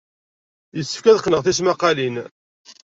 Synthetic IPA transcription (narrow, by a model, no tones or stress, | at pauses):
jəsːə̥fkæðəqːnəʁθis̬maqːɑlin